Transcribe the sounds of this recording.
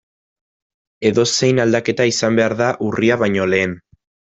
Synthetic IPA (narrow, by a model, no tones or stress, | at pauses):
e̞ðo̞se̞jnald̪ake̞t̪aisambe̞aɾðaʔuriaβajɲo̞le̞ːn